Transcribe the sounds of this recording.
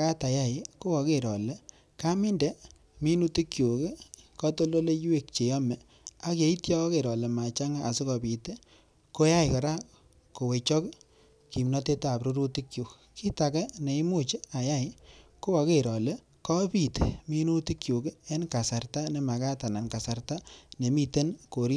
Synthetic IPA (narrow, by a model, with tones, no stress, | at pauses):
ka˦ta˨ja˦˨jko˦wɔ˨ke˨ɾɔ̰˨le˦ | ka˦mi˦ndɛ˨ | mi˦nu˦ti˦kjo˨ke˦kɔ˦to˦lo˦le˦jwe˦k̚t͡ʃe˨jɔ˦mɛ˨ | a˦kje˨˦i˦tjɔ˦ke˨ɾɔ˨le˨ma˨t͡ʃa˦ŋa˦a˨sɪ˦kɔ˨pi˨te˦ | ko˦ja˦jkɔ˨ɾa˦ | ko˨we˨t͡ʃɔ˦k | ki˨mnɔ˦te˦ta˨pɾu˦ɾu˦ti˦kju˨k | ki˦ta˨kɛ˦ne˨i˦mu˦t͡ʃe˦a˨ja˦jko˦a˧ke˦ɾɔ˨le˦ | kɔ˦pi˨tmi˦nu˦ti˦kju˨ke˦e˦nka˨sa˨rta˦ne˨ma˨ka˦ta˨na˨nka˨sa˨rta˦ne˨mi˦te˦nko˨ɾi˦